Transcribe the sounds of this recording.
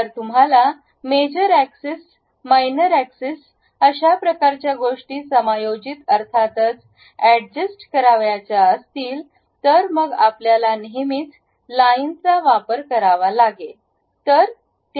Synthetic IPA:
t̪əɾt̪um̤ɦala | med͡ʑəɾækses | majnəɾækses | əɕapɾəkaɾt͡ɕjaɡoʂʈiːsəmajod͡ʑit̪əɾt̪ʰat̪ət͡s | æɖd͡ʑəsʈkəɾaʋjat͡ɕjaəst̪iːl | t̪əɾməɡapljalaniɦimit̪ | laint͡saʋapəɾkəɾaʋalaɡe | t̪əɾ | t̪

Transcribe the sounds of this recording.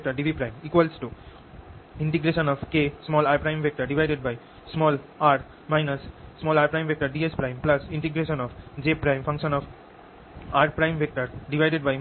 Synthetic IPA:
k̚ʈəɾɖiʋipɾãɪ̃miːkʋalsʈu | ɪ̃ɳʈiɡɾeʃə̃nɔːʋkeːsmɔːlaːɾpɾãɪ̃mʋek̚ʈəɾɖiʋaɪɖeɖ̚baɪ | smɔːlaːɾ | maɪnəsːmɔːlaːɾpɾãɪmʋek̚ʈəɾɖiːespɾãɪ̃mplɐsɪ̃ɳʈiɡɾeːʃə̃nɔːʋd͡ʒeːpɾãɪ̃mfʌ̃ŋkʃə̃nɔf | aːɾpɾãɪ̃mʋek̚ʈəɾɖiʋaɪɖeɖ̚baɪ

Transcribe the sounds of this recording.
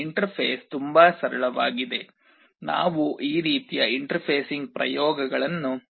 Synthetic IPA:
iɳʈɐɾpʰeːst̪umbaːsɐɾɐɭɐʋaːɡid̪e̞ | na̰ːʋuʔiːɾiːt̪ijɐiɳʈɐɾpʰeːsiŋɡ̚pɾɐ̰jɔːɡɐɡɐɭɐnːu

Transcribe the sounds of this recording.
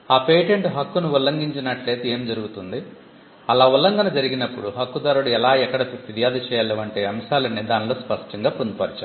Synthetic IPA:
aːpe̞ːjʈeɳʈɦɐkːunuulːɐŋɡiɲt͡ʃinɐʈle̞ːd̪ue̞ːmd͡ʒɐɾuɡut̪und̪i | ɐlaːulːɐŋɡɐnɐd͡ʒɐɾiɡinɐpːuɽuɦɐkːud̪aːɾuɽuɛlaːɛkːɐɽɐʋiɾijaːd̪ɐt͡ʃɛːjaleːʋɐɳʈe̞ːɐmʃaːlɐnːid̪aːnilo̞ːspɐʂʈɐŋɡaːpond̪upɐɾit͡ʃa

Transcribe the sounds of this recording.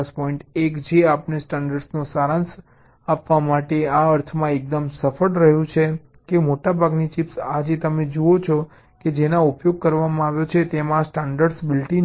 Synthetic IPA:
spɔiɳʈekd͡ʒeapnesʈaɳɖəɾɖsnosaɾãns | apʋamaʈeaəɾt̪ʰmãek̚d̪əmsəfəɽɾəɦjũt͡ʃʰe | kemoʈabʱaɡnit͡ʃipsad͡ʒet̪əmed͡ʒuot͡ʃʰɔ | ked͡ʒenaupjoɡ̚kəɾʋamãaʋjot͡ʃʰet̪emãsʈaɳɖəɾɖsbɪlʈi

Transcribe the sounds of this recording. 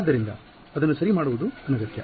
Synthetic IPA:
d̪ːɐɾind̪ɐ | ɐd̪ɐnːusɐɾimaːɽuʋud̪uɐnɐɡɐt̪jɐ̰

